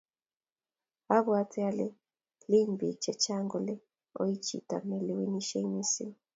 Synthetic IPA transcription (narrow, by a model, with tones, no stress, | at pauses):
a˦βwa˦tʰɛ˦a˦le˦ | li˦mbi˨t͡ʃɛ˨t͡ʃa˦ŋɡɔ˨le˦ | o̰˦ji˦t͡ʃḭ˨ta̰˨nɛ˨le˨wi˦ni˦ʃe˦i˦ni˦sḭ˦